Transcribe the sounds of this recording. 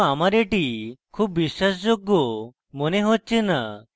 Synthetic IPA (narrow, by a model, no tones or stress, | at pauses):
amaɾeʈikʰuːpʋiɕasd͡ʑoɡːɔ | moneɦot̚ːt͡ɕena